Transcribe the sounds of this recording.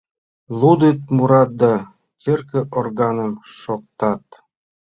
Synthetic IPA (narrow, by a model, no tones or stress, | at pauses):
lˠud̪it̪̚muɾɑt̪̚d̪ɑ | t͡serkɘ̆ʔorɡɑnə̆mʃok̚t̪ɑt̪